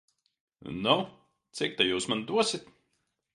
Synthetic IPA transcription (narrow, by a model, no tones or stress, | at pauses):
nɔ | t̪sʲik̚t̪ajuːsmand̪uɔsʲit̪